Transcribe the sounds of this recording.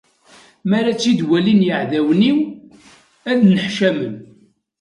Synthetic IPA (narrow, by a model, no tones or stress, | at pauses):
mæɾat͡sːid̪wælinjəʕðæwniw | æðnəħʃæmən